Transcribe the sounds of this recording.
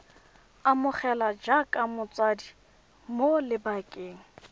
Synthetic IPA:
amʊχɛlad͡ʒakʼamʊt͡sʼwadi | molɪbakʼeːŋ̩

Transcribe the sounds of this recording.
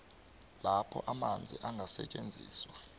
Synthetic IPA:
lapʰɔ̰ʔamand͡zʱḭʔaŋɡʱasɛ̰t͡ʃʼend͡zʱḭːswa

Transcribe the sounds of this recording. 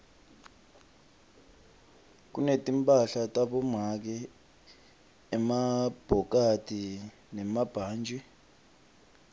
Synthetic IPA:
k̬unetʼimpʼaɬatʼaɓɔmak̬ɛ | ɛmab̥ʱɔk̬ʼatʼi | nɛmab̥ʱaːnd͡ʒʱi

